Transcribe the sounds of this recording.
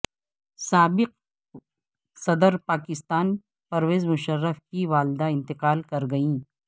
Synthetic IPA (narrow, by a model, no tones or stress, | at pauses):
saːbɪq̚ | sɐd̪əɾpaːkɪst̪aːn | pɐɾʋeːzmʊʃəɾːəfkiʋaːlɪd̪aɪ̃nt̪ɪqaːlkɐɾɡɐĩː